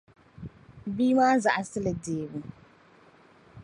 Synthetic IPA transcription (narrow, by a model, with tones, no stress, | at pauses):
biː˦maː˦za˨ʔa˨sɨ˦lɨ˨deː˨bu˨